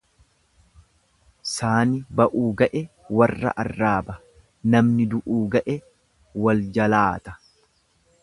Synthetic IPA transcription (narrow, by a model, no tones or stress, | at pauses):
saːnɪbɐʔuːɡɐʔɛ | wɐrːɐ̰ʔɐrːaːbɐ | nɐmnɪd̪ʊʔuːɡɐʔɛ | wɐld͡ʒɐlaːt̪ɐ̥